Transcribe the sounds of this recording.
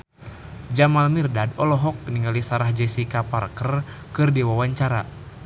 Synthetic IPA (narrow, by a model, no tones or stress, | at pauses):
d͡ʒamalmirdadɔlɔɦɔk̚əniŋalisaɾahd͡ʒɛsikaparkərkɨrdiwawaɲt͡ʃaɾa